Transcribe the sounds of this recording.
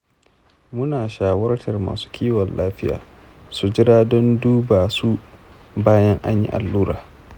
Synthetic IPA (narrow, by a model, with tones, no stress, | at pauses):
mʊ˦naː˨ʃaː˦wɐ˦rtɐ˨rma̰ː˨su̥˦kʲʰiː˦wɔ˨nlaː˦ɸɪ˦ja̰ː˨ | su˨d͡ʒɪ˦ɾaː˦dɔ˦nduː˦baː˨su˦ | baː˦jɐ˦ŋʔa̰˦ɲjḭ˦ʔa̰˨lːuː˦ɾaː˨